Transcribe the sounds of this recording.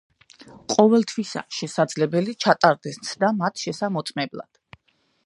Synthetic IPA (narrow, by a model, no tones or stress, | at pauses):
qʼɔvɛlˠt̪ʰwisa̰ʃɛsad̪zlɛbɛlit͡ʃʰat̪ʼaɾd̪ɛsnt̪sʰd̪amat̪ʰʃɛsamɔt̪sʼmɛblˠa̰d̪̥